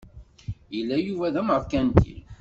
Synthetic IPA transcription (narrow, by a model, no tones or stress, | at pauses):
jəlːæjuvæðæmʁəfkænt̪ḭl